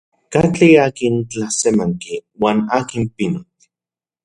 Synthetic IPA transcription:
kat͡ɬiakint͡ɬasemaŋkiwaːnaːkimpinot̪

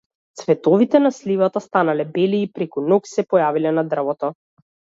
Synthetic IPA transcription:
t̪svɛt̪ɔvit̪ɛnaslivat̪ast̪analɛbɛliːpɾɛkunɔksɛpɔjavilɛnad̪r̩vɔt̪ɔ

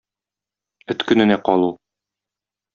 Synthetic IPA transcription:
ɵ̆t̪kɵ̆nɘ̆næqɒlˠu

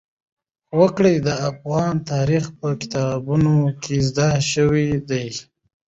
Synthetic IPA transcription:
wəkɽijd̪əafɣɑnt̪ɑɾixpəkɪ̥t̪ɑbunokʰezd̪aʃəwid̪aj

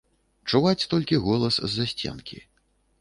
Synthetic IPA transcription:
t͡ʂuvat͡sʲt̪ɔlʲkʲiɣɔlˠɐszːasʲt͡sʲɛ̰nkʲḭ

